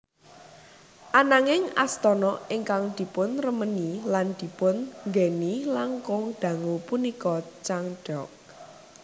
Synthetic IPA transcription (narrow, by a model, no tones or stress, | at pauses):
ʔanaŋɪŋa̰st̪ɔnɔɪŋkaŋd̪̥i̤pʊnrəməniland̪̥i̤pʊnŋɡenilaŋkʊŋd̪̥ä̤ŋupunikɔt͡ʃaŋɖ̥ɔk̚